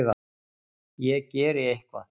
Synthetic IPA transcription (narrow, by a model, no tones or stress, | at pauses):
ɣa | jɛceːɾɪejhkva̰